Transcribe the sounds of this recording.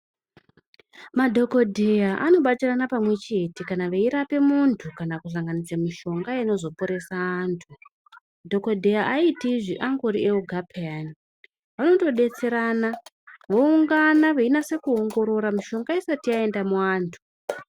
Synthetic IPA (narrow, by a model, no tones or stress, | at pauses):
madʱo̞ko̞dʱejaʔano̞ɓatiranapamwe̞t͡ʃe̞tikanaʋeiɾape̞muntʰukanakuɬ̬aŋɡanit͡samiʃo̞ŋɡaeno̞zo̞poɾe̞saːntʰu | dʱo̞ko̞dʱe̞jaʔaitiʐiʔaŋɡoɾieoɡʱapʰeani | ʋano̞to̞ɗe̞t͡se̞ɾana | ʋo̞uŋɡanaʋeinase̞kuo̞ŋɡo̞ɾo̞ɾamiʃo̞ŋɡaisatiae̞ndamuaːntʰu̥